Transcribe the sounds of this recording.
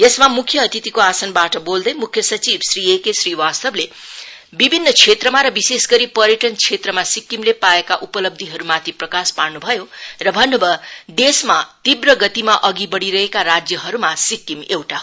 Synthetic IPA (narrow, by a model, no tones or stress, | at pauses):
jesmamukʰːjʌːt̪it̪ikoasʌnbaʈʌbold̪ʌjmukʰjʌsʌt͡sibsriekesriwast̪ʌble | bibʱinːʌt͡sʰet̪rʌmaɾʌbisesɡʌɾipʌɾjʌʈʌnt͡ʃʰet̪rʌmasikːimlepaekaʔupʌlʌb̚d̪ʱiɦʌɾumat̪ʰiprʌkasparnubʱʌjorʌbʱʌnːʌbʌd̪esmat̪ibrʌɡʌt̪imaʔʌɡibʌɽiɾʌɦekarad͡zjʌɦʌɾumasikːimewʈa